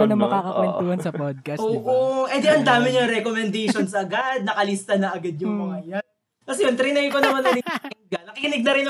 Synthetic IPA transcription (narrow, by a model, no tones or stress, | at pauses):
ɐnɐmɐkaːkɐɛt̪uhɐnsɐpod̪̚kɐoːʔoʔɛd̪ɛɐnd̪aːmɪɲɐŋɾɛkomɛnd̪ɛjʃonsʔɐɡad̪̚nɐkɐlist̪ɐnɐʔɐɡad̪̚ɲʊŋmʊŋɐjan | kɐsɛjont̪ɾɪnɛjkonɐmanːɐnɪɪɡɐnɐkɪkɪnɪɡ̚nɐɾɪnɐ